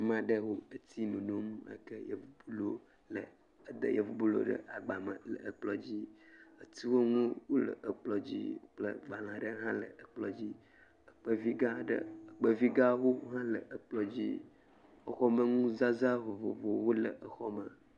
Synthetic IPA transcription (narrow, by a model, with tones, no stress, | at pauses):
mã˨ɖə˦wo˦ə˨t̪ʰi˦mẽ˨no˦m˦ə̰˦kə˦jə̰˨vu˨bu˦lo˦ | lə˨ | d̪ə̰˨jə˨vu˨bu˦lo̰˦ɖə̰˦ʔa˨ɡ͡ba˨mə˨lə˨ə˨k͡plɔ˨d͡ʑi˦ə˨t̪i˦wo˦ŋũ˦wo˦lə̰˨ʔə˨k͡plɔ˨d͡ʑḭ˦k͡plə˦ɡ͡ba˨lã˨ɖə˦ɦã˦lə˨ə˨k͡plɔ˨d͡ʑi˦ | ə˨k͡pə˦vi˦ɡa˦ɖə̰˦ə˨k͡pə˦vi˦ɡa˦wo˦ɦã˦lə˨ʔə˨k͡plɔ˨d͡ʑḭ˦ | ə˨xɔ˦mə˦ŋũ˦za˦za˦vo˨vo̰˨vo˨wo˦lə˨ʔə˨xɔ˦mə˨